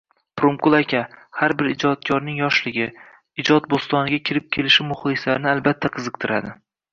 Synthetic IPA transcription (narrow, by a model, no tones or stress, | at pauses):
pɾomkʊlˠakʲʰahaɾbɪɾɪd͡ʒɒt̪̚kʲʰɒɾnɪŋjɒʃlɪɡʲɪ | ɪd͡ʒɒt̪̚bost̪ɒnɪɡʲakʲʰɪɾɪp̚kʲʰe̞lɪʃɪmʊχlˠɪslaɾnɪalbat̪ʰːaqʰɨzɨq̚t̪ʰɪɾad̪ɪ